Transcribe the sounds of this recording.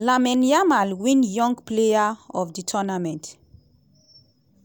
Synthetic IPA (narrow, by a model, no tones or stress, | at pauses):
lamɛ̃njamalwĩnjɔ̃ŋɡplejaɔfditʰɔnamɛ̃nt